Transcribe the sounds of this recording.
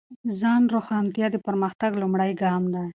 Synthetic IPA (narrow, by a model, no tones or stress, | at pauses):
zɑnɾoxɑnt̪jɑd̪əpaɾməxt̪aɡlʊmɽajɡɑmd̪a